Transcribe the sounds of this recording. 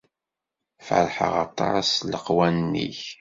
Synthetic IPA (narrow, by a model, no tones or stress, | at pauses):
fə̰ɾˤħə̰ʁɑt̪ˤɑsləqwænnːḭç